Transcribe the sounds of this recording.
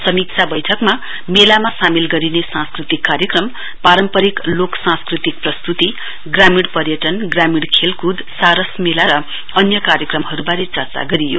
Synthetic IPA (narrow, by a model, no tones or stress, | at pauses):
sʌmik̚t͡sʰabʌjʈʰʌkma | melamasamilɡʌɾinesãnskrit̪ikːaɾjʌkrʌm | paɾʌmpʌɾikloksãnskrit̪ik̚prʌst̪ut̪i | ɡramiɽpʌrjʌʈʌnɡramiɽkʰelkud̪saɾʌsmelaɾʌ | ʌnjʌkaɾjʌkrʌmɦʌɾubaɾet͡sʌrt͡sa̰ɡʌɾijo̰